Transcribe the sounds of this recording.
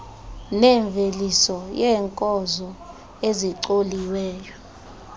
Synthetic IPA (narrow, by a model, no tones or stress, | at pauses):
nɛɱb̪vʱelisɔjɛːŋkʼɔzɔ | eziǀoliwɛːjɔ